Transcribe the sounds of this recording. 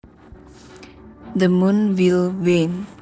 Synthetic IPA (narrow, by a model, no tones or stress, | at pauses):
d̪əmũnwilwen